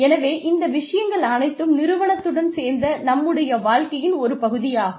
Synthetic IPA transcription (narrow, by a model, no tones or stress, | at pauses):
ɛnɐʋeːʔɪnd̪ɐʋɪʂɐjɐŋɡɐɭɐnɐɪt̪ːɯmnɪɾɯʋɐɳɐt̪ːɯɽɐnseːɾnd̪ɐnɐmːɯɽɐjɐʋaːɻkɐjɪnɔɾɯpɐɣɯðɪjaː